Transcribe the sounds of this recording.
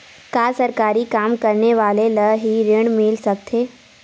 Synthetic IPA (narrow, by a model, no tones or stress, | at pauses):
kaːsɐɾkaːɾikaːmkɐɾneʋaːleləɦiɾɪɽ̃mɪlsɐkt̪ʰeː